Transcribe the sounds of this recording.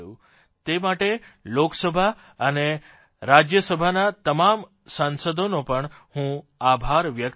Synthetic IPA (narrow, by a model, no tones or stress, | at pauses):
jũ | t̪emaʈeloksəbʱa | əne | ɾad͡ʒjəsəbʱanat̪əmam | sãnsəd̪ʱonopəɳ | hũ | abʱaɾʋjək